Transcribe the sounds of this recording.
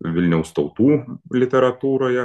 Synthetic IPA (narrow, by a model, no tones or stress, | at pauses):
ʋʲɪlʲnʲɛʊst̪ɒʊt̪uːlʲɪt̪ʲɛɾɐt̪uːɾoːjɛ